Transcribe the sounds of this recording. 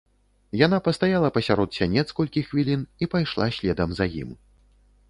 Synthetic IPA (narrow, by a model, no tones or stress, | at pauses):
janapɐst̪ajalˠɐpɐsʲaɾɔt̪sʲanʲɛt̪skɔlʲkʲixvʲilʲinipajʂlˠasʲlʲɛd̪ɐmzɐjḭm